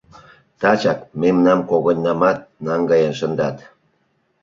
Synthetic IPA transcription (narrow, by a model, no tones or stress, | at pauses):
t̪ɑt͡ɕɑkmemnɑmkoɣənʲːɑmɑt̪̚nɑŋɡɑjənʃənd̪ɑt̪